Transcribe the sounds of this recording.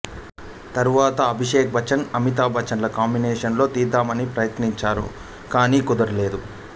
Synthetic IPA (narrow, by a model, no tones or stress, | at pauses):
t̪ɐɾuʋaːt̪ɐːbʱiʂeːk̚bʱɐt͡ʃɐnɐmit̪̬aːbʱɐt͡ʃɐnlɐkaːmbineːʂɐnlo̞ːt̪iːd̪aːmɐnipɾɐjɐt̪niɲt͡ʃaːɾṵ | kaːniːkud̪ɐɾule̞ːd̪u